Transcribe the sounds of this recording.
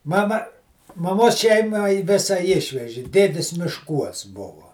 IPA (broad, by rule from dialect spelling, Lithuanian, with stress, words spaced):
ˈmɑːmɐ mɐˈmoːs ˈʃʲɛɪmɐ ɪ ˈʋʲeːsɐ ˈɪʃʲʋʲɛʒʲɪ ˈdʲeːdʲɪs mʲɪʃˈkuɔs ˈbʊʋʊ